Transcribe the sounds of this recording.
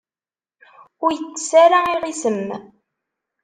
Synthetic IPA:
ʊɾjət͡sːə̥saɾaiʁisəm

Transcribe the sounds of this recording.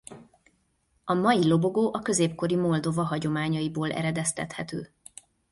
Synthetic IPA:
ɒmɒjilo̞bo̞ɡoːʔɒkø̞zeːpko̞ɾimo̞ld̪o̞vɒɦɒɟo̞maːɲɒjiboːlɛ̰ɾɛd̪ɛst̪ɛ̰t̪hɛt̪ø̰ː

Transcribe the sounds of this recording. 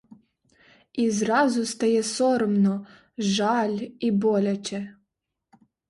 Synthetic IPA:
izɾɑzʊst̪ɐjɛsɔɾɔmnɔ | ʒɑlʲibɔlʲɐt͡ʃɛ

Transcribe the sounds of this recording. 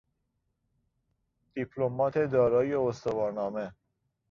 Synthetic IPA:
d̪̥ipʰlomɒːt̪ʰed̪ɒːɾɒːjeost̪ovɒːɾnɒːme

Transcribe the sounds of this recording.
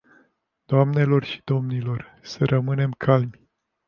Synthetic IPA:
d̪̥oamne̞lo̞rʃi̥d̪̥o̞mnilo̞r | səɾʔəmɨne̞mkʰalmʲ

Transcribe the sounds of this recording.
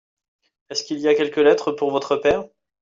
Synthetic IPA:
ɛskʲiliakʲɛlkəlɛt̪χəpuʁvɔt̪χəpɛːʁ

